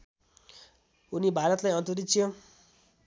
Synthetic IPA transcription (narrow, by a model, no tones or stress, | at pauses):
unibʱaɾʌt̪lajʌnt̪uɾit̪t͡sʰjo